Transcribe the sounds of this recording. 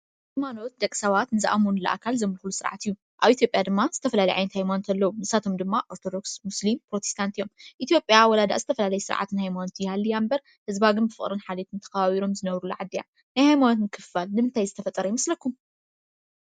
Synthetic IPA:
ajmano̞t̪̚d̪ɐkʼsɐβat̪nɨzɨʔamonulɐ̰ʔa̰kʰalzɐmɨlxlusɨɾʕa̰t̪ijːu | ʔaβit̪jo̞pʼjad̪ɨmːazɨt̪ʰɐfɐlalɐjʕa̰jnɐt̪hajmanot̪ʰɐlːɐwunɨsat̪ʰo̞md̪ɨmːaʔo̞ɾt̪ʰo̞d̪o̞ksmuslimpɾo̞t̪ʰest̪ʰant̪ʰijo̞mʔit̪jo̞pʼjawɔlad̪a̰ʔzɨt̪ʰɐfɐlalɐjɛsɨɾʕa̰t̪nhajmanot̪ʰjhalːijambɐɾ | hɨzβaɡɨnbɨfɨχʼɾɨnħalet̪ʰɨnt̪ʰɐ̥kaβaβiɾo̞mzɨnɐβɾulːuʕad̪ːija̰ | najhajmanot̪nɨkʰɨfalnɨmɨnt̪ʰajzɨt̪ʰɐfɐt̪ʼɐɾɐjmɐslɐkːum

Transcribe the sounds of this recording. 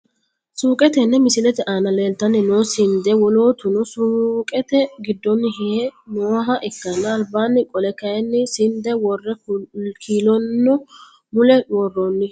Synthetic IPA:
suːkʼɛt̪ɛnːɛmɪsɪlɛt̪ɛʔaːnɐleːlt̪ːɐnːɪnoːsɪnd̪ɛwɔlo̞ːt̪ʊnɔsuːkʼɛt̪ɛɡɪd̪ːɔnːɪɦɪhɛnoːɦɐʔɪkːɐnːɐːlbaːnːɪkʼɔlɛkɐjɛnːɪsɪnd̪ɛwɔrːɛkʰiːlɔnːɔ | mʊlɛwɔrːonːɪ

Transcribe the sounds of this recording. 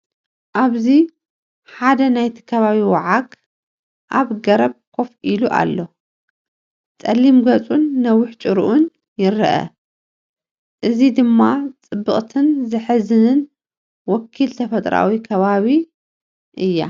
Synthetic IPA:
ʔaβzi | ħad̪ɐnajt̪ʰi̥kʰɐβaβiwaʕaɡ | ʔaβɡɐɾɐβ̚kʰo̞fʔiluʔa̰lːo̞ | t͡sʼɐlːimɡɐt͡sʼunːɐwːʊħt͡ʃʼɨɾuʔun | jɪɾɐʔɐ̰ | ʔɨzid̪ɨmːat͡sʼɨbːɨχʼt̪ʰɨnzɨħɨzɨnɨn | wɔkʰːilt̪ʰɐfɐt̪ʼɾa̰wikʰɐβaβi | ʔɨjːa̰

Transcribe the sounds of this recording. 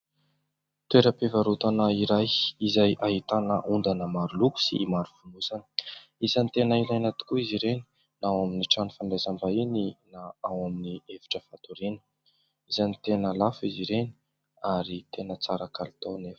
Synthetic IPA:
t̪weɾəpevaɾut̪anaiɾajizajʔaɦit̪anəʔund̪anəmaɾuluku̥sḭmaɾufunusanə̥ | izanit̪enəilajnat̪i̥kuiziɾeni̥ | nawaminiʈ͡ʂanifaɳɖ͡ʐazambaininaawaminievi̥ʈ͡ʂəfat̪uɾinə̥ | izanit̪enəlafiziɾeni̥ | aɾit̪enət͡saɾakalit̪onef

